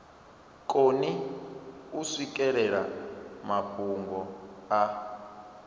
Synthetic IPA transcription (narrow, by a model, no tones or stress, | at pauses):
kʼoni | usik̬ʼɛɺɛɺamapʰuŋɡʱɔa